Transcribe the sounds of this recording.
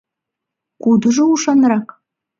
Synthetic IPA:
kud̪ə̆ʒouʃɑnrɑk

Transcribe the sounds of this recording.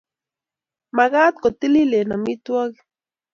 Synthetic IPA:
maɢat̪̚kot̪ililenamit̪wak

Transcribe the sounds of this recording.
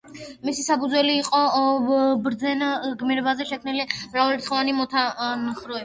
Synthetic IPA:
misisapʰud̪zwɛliːqʼɔ | bɾd̪zɛnɡmiɾɛbazɛʃɛkʰmnilimɾavalt̪ʰχɔvanimɔt̪ʰanχɾɔɛ

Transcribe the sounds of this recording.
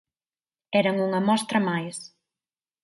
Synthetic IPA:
ɛɾɐŋuŋɐmɔst̪ɾɐmajs

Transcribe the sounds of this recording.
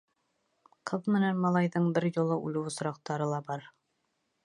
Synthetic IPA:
qʰɤðmɘ̆nænmɑlˠɑjðɤɴbɘɾjŭlˠɤʔʉlɘwŏsɾɑq̚t̪ɑɾɤlˠɑbɑɾ

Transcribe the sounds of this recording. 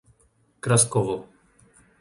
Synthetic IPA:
kɾaskɔvɔ

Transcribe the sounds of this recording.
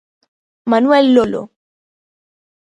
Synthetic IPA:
manwɛlːolo̰

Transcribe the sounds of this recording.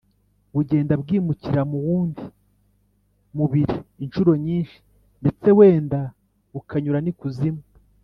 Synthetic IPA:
βuɟe̞ːndabɡiːmuciɾamuβuːndi | muβiɾiːnʃuɾo̞ɲiːnʃi̥ | nde̞t͡se̞we̞ːnda | ukʰaɲuɾanikuzima

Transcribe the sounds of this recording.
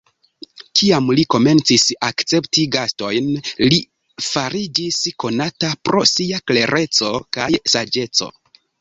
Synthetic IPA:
kiamliko̞me̞nt͡sisakt͡se̞ptiɡasto̞jnli | faɾid͡ʒisko̞natapɾo̞̰siakle̞ɾʔe̞t͡so̞kajsad͡ʒe̞t͡so̞̰

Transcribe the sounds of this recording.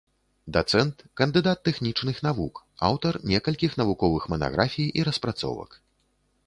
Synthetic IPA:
d̪at̪sɛnt̪kɐnd̪ɨd̪at̪ːɛxnʲit͡ʂnɨxn̪avuka̰wt̪ɐrnʲɛkɐlʲkʲixnɐvukɔvɨxmɐna̰ɣɾʔafʲijʔiɾɐspɾat̪sɔ̰vɐ̰k

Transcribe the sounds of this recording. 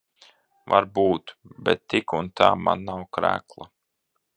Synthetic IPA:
va̰ɾbuːt̪bɛt̪ːikunt̪aːma̰nːawkɾæ̰ːklˠa

